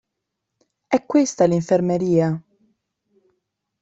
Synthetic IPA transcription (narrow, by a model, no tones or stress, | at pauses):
ɛkːwest̪aliɱfermeɾiːa